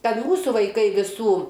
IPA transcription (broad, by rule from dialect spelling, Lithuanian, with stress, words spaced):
ˈkɐt ˈmuːsuː ʋɐɪˈkɐɪ ʋʲɪˈsuː